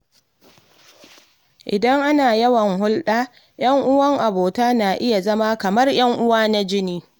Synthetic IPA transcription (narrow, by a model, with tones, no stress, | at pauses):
ʔɪ˨dɐ˦ŋʔa˦naː˨jɐ˦wɐ˨ŋɦʊ˦lɗaː˦ | j̰ɐ˦ŋʔʊ˦wɐ˦ŋʔa˨boː˨taː˦naː˨ʔɪ˦ja˨zɐ˦maː˦kɐ˨mɐ˦rjɐ˦ŋʔʊ˦waː˦na˦d͡ʒɪ˦niː˦